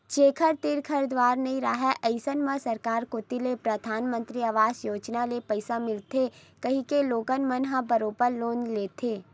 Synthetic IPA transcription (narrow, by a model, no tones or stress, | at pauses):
t͡ʃeːkʰəɾt̪ɪɾkʰəɾd̪waːɾnɐɦĩɾaɦɛʔəɪsənmə̃sɐɾkaːɾkoːt̪ilepɾɐd̪ʱaːnmə̃nt̪ɾiaʋaːzjoːd͡ʒnalepəɪsamɪlt̪ʰekɐɦĩkeloːɡənmənɦãbɐɾoːpəɾloːnleːt̪ʰeː